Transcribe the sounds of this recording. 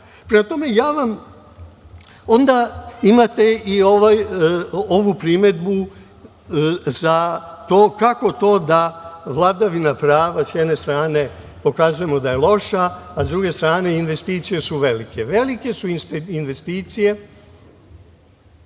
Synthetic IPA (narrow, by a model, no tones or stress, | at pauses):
pɾemat̪o̞me̞jaːʋam | o̞nd̪aimat̪e̞ioʋaj | o̞ʋupɾime̞d̪bu | zat̪oːkako̞t̪o̞ːd̪aʋlˠad̪aʋinapɾaːʋasjɛd̪ne̞st̪ɾaːne̞ | po̞kazuje̞mo̞d̪aje̞lˠo̞ʃaːzd̪ɾuɡe̞st̪ɾaːne̞inʋe̞st̪iːt̪sije̞suʋe̞like̞ʋe̞like̞suinsinʋe̞st̪iːt̪sije̞